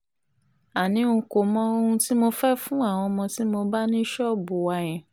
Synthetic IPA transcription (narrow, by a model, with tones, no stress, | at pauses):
a˨nĩ˨˦u˧ko˨mɔ̃˧˦o˧ũ˧ti˦mo˧fɛ˦fũ˦a˦˨w̃ɔ̃˧mɔ̃˧ti˦mo˧ba˦nĩ˦ʃɔ˦˨bu˨wa˧j̃ɛ̃˨